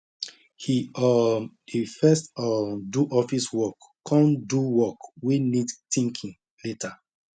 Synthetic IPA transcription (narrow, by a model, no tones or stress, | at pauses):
hiɔhifɛstɔduʔɔfiswɔkːʰɔ̃nduwɔkwinidtĩŋkʰĩŋ | letʰa